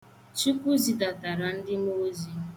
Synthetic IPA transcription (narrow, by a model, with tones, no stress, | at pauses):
t͡ʃi˦kʷu˦zi˨da˨ta˨ɾa˨n̩˦dɪ˦mo˦zi˦